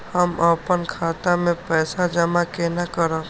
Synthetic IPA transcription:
həməpənkʰaːt̪amẽpɛːsad͡ʒɐmakenakəɾãː

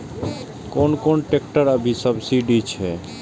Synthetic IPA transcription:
konkonʈekʈəɾəbʱisəbsiɖit͡ʃʰɛ

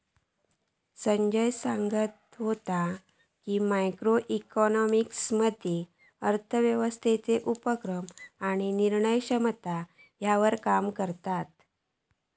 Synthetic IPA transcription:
səɲd͡ʑəjsaŋɡət̪ | ɦot̪a | kiːmajkɾoʔikɔnɔmiksməd̪ʱe | əɾt̪ʰəʋjəʋəst̪ʰet͡seʔupəkɾəmaɽ̃iniɾɳəjkɕəmt̪a | jaʋəɾkamkəɾt̪at̪̚

